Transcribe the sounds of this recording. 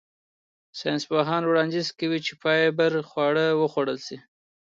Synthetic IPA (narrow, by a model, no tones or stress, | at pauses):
sɑjnsbaɦɑnwɽɑnd̪ɪzkawit͡ʃepɑjebəɾxwɑɽəwəxwaɽəlsi